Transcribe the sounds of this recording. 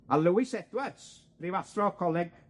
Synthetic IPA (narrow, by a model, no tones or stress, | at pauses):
alˠəwɪsɛdwəss | rivaθrɔkʰɔlˠɪɡ̚